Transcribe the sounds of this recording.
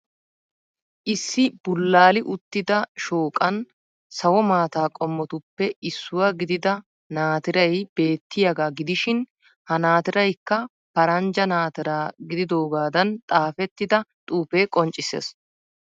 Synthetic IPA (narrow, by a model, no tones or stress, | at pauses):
ʔɪsːɪb̥ʊlːaːlɪʔʊt̪ːɪd̪ɐʃoːkʼɐn | sɐwɔmaːt̪aːkʼɔmːɔt̪ʊpːɛɪsːʊwaɡɪd̪ɪd̪ɐ | naːt̪ɪɾɐjb̥e̞ːt̪ːɪjɐɡaːɡɪd̪ɪʃɪn | hɐnaːt̪ɪɾɐjkːɐ | pɐɾɐnd͡ʒɐnaːt̪ɪɾaːɡɪd̪ɪd̪o̞ːɡaːd̪ɐnt̪ʼaːfɛt̪ːɪd̪ɐt̪ʼuːpeːkʼɔnt͡ʃʼɪsḛːs